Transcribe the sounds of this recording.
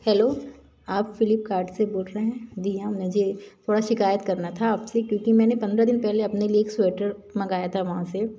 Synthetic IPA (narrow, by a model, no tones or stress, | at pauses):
hɛːloː | aːpfɪlɪp̚kaːɾɖseboːlɾɐɦɛ̃d̪ijãmɛ̃ːd͡ʒet̪ʰoːɽaʃɪkaːjət̪kɐɾnat̪ʰaaːpsekjõːkimɛ̃ːnepɐ̃nd̪ɾad̪ɪnpɛɦleɐpnelieːksɛːʈəɾmɐɡaːjat̪ʰaʋɐɦãse